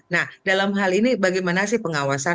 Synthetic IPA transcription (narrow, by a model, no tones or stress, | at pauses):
nahdalamɦalinibaɡimanasɪhpəŋawasa